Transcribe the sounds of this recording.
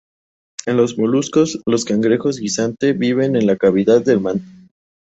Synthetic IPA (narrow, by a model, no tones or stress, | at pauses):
e̞nlo̞zmo̞lusko̞slo̞skaŋɡɾe̞xo̞zɡisant̪e̞βiβ̞e̞ne̞nlakaβ̞iðað̚ðe̞lmãnt̪o̥